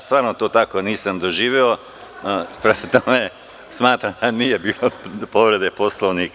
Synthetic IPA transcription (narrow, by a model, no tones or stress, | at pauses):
st̪ʋaːɾnot̪oːt̪akoniːsamd̪oʒiːʋjeo | pɾemt̪ome | smaːt̪ɾamd̪aniːjebiːlopoʋɾe̞d̪eposlˠoʋnik